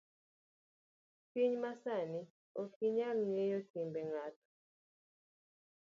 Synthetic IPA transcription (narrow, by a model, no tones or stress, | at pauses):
fiɲmasani | ɔfiɲalnɛjɔtimbɛŋatu̥